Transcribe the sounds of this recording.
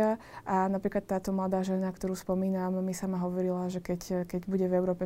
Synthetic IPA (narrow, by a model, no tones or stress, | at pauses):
a | ʔanapɾiːklat̪ːaːt̪ɔmlad̪aːʒɛnakt̪ɔɾuːspɔmiːnamːisamaɦɔʋɔɾilaʒɛkɛckɛɟbuɟɛvɛʊɾɔːpɛ